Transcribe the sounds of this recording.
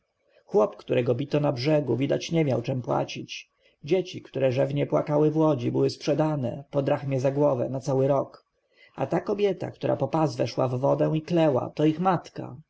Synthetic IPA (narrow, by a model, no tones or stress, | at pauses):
xwɔpkt̪uɾɛɡɔbʲit̪ɔnabʐɛɡuvʲid̪at͡ɕɲɛmʲjawt͡ʂɛmpwa̰t͡ɕit͡ɕ | d͡ʑet͡ɕikt̪uɾɛʐɛvɲɛpwa̰kawɘvwɔd͡ʑibɘwɘspʂɛd̪anɛ̰pɔd̪ɾaxmʲjɛzaɡwɔvɛ̰nat̪sawɘɾɔk | a̰t̪akɔbʲjɛt̪a̰kt̪uɾa̰pɔpazvɛʂwa̰vːɔd̪ɛw̃iklɛwa̰t̪ɔixmat̪ka̰